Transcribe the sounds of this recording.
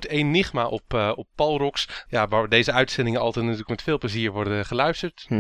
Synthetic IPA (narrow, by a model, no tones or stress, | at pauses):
tejnːɪχmaʔɔpɔpːɑlˠrɔksjaʋaːdejzəœɥtsɛndɪŋənɑ̰lˠtɛjtnatyːləkmɛtfɪːlˠpləziːɹʋɔɹdəχəlœɥstəɹt